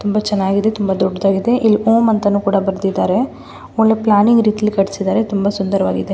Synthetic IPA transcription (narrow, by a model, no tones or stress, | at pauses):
t̪umbɐt͡ʃɛnːaːɡid̪e̞t̪umbɐd̪ɔɖːɐd̪aːɡid̪e̞ʔilːioːmɐnt̪ɐnuːkuːɽɐbɐɾd̪id̪aːɾe̞ | oɭːeplaːniŋɡɾiːt̪ijɐlːikɐɽisid̪aːɾet̪umbɐsund̪ɐɾɐʋaːɡid̪e